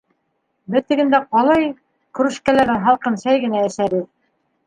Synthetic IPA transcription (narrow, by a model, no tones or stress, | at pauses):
bɘ̆ɾt̪ɘ̆ɡɘ̆nd̪æqɑlˠɑj | kɵ̆ɾɘ̆ʃkælæɾɘnɦɑlˠqɤnʃæjɡɘ̆nææ̆ʃæβɘð